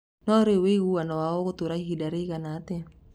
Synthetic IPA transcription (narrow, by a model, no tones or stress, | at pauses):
noɾiwiɡuanowaokut̪uɾaiɦidaɾikanat̪e